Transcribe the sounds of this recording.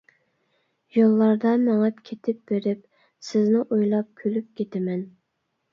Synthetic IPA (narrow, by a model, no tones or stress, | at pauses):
jolˠːɑɾd̪ɑmɛŋɑpkʲʰet̪ʰɪp̚b̥eɾɪp̚ | sɪznɪʔojlˠɑp̚kʲʰølyp̚kʲʰet̪ʰɪmɛn